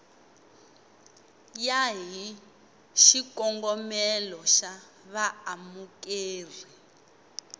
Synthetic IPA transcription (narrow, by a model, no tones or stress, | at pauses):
jaɦi | ʃikɔŋɡɔmɛlɔʃa | βaamukeːri